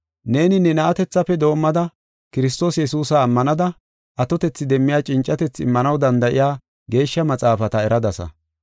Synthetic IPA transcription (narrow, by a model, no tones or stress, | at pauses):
ne̞ːnɪnɛnɐʔɐt̪ɛt͡sːɐfɛd̪o̞ːmːɐd̪ɐ | kɪɾɪs̬t̪o̞ːsjɛsuːsɐːmːɐnɐd̪ɐ | ʔɐt̪ɔt̪ɛt͡sːɪd̪ɛmːɪjaːt͡ʃʼɪnt͡ʃʼːɐt̪ɛt͡sːɪ̰mːɐnɐwd̪ɐnd̪ɐʔɪjaː | ɡe̞ːʃːɐmɐt͡sʼaːfɐt̪ɐɛɾɐd̪ɐsɐ̰